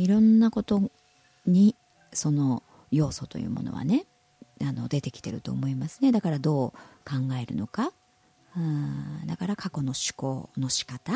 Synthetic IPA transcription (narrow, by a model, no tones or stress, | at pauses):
iɾõ̞nːako̞t̪o̞ | ɲ̟i | so̞no̞ | jo̞ːso̞t̪o̞̰jɯ̟̰ːmo̞̰no̰βa̰ne̞ | ano̞̰d̪e̞t̪e̞kʲi̥t̪e̞ɾɯ̟t̪o̞̰ːmo̞imasɨne̞d̪akaɾad̪o̞ːkãŋɡae̞ɾɯ̟̰no̞ka | ɯd̪akaɾakako̞no̞ɕi̥ko̞̰ːno̞ɕi̥kat̪a